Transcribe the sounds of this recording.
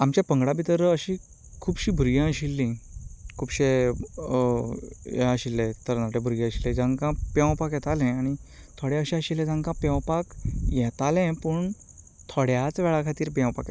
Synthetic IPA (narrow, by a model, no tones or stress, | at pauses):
amt͡ɕjapəŋɡɽabit̪əɾəɕi | kʰuːbɕiːbʱuɾjãəɕilːĩkʰuːbɕe | jɛəɕilːɛt̪əɾnaʈebʱuɾjãəɕilɛ̃d͡zãŋkãpjãw̃pakjɛt̪alɛ̃aɽ̃it̪ʰoɽɛ̃əɕɛ̃əɕilɛ̃d͡zãŋkãpjɛ̃wpakjɛt̪alɛ̃pəɳ | t̪ʰoɽjat͡sʋɛɭakʰat̪iːɾpjãwpak